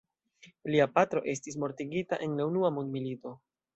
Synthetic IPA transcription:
liapatɾo̞ʔe̞s̬tis̬mo̞ɾtiɡitaʔe̞nneunuamundmilito̞

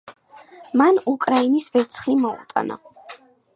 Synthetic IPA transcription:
manukʼɾainisvɛt̪sʰχimɔṵt̪ʼa̰na̰

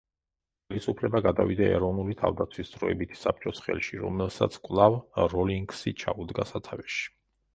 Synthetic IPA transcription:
χɛlisupʰlɛbaɡad̪avid̪aɛ̰ɾɔvnulit̪ʰa̰vd̪at̪sʰwisd̪zɾɔɛbit̪ʰsap̚ʰt͡ʃʼɔsχɛ̰lˠʃiɾɔ̰mɛlˠsa̰t̪sʰkʼwlˠavɾɔliŋɡsit͡ʃʰa̰ud̪ɡasat̪ʰavɛʃi̥

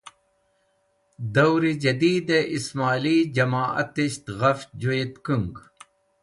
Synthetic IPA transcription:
d̪ɐwɾid͡ʑɐd̪iːd̪eʔismaːliːd͡ʑɐmaːɐ̰t̪iɕt̪ɣɐfd͡ʑuet̪kuŋɡ

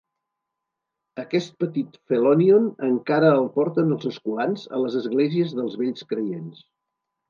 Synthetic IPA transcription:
əkɛst̪̚pət̪it̪felonionəŋkaɾəːlˠpɔɾt̪ənəlˠzəskuanzə̰ləzəzɣlɛziəzðəlˠzβeʎskɾəjens

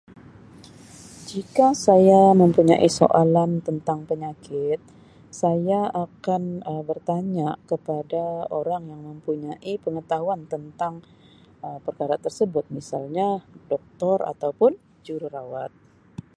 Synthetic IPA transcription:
d͡ʒikasajaməmpuɲa̰ʔiso̰ʔalant̪ənt̪aŋpəɲakɪt̪̚ | sajaakanəbərt̪aɲakəpadaoɾaŋjaŋməmpuɲaʔipəŋət̪aɦuant̪ənt̪aŋ | əpərkaɾat̪ərsəbʊt̪̚misa̰lɲadɔk̚t̪ɔra̰t̪awpʊn | d͡ʒuɾuɾawat̪̚

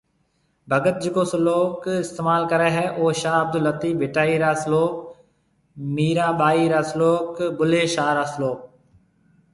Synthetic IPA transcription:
bʱəɡət̪̚d͡ʒɪkoːsəloːkɪst̪eːmaːlkəɾeːɦɛːʔoːʃaːəb̚d̪ʊlət̪iːbʱɪʈaːiːɾaːsloːk̚ | miːɾaːɓaːiːɾaːsəloːkbʊleːʃaːɾaːsəloːk̚

